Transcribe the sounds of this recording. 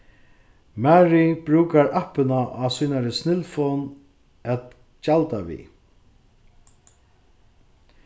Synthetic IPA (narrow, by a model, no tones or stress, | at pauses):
mæːɹibɾuːkaɹʔahpɪnaʔasujnaɾɪsnɪlfɔn | ɛt̪ | calt̪aʋḭ